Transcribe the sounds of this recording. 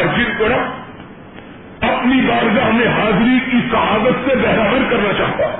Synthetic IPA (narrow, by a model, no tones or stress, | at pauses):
ɾd͡ʒɪnkɐɽa | ɐpnibaːɾɡaɦɐmẽɦaːzɾikisɐɦaːbət̪sebɛɦɾaːbəɾkɐɾnat͡ʃaːɦt̪a